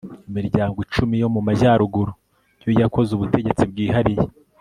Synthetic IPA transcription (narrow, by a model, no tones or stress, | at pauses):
imiɾɟaːŋɡot͡ʃumijo̞mumaʒaːɾuɡuɾo | jo̞jako̞zuβute̞ɟe̞t͡sibɡiːɦaɾije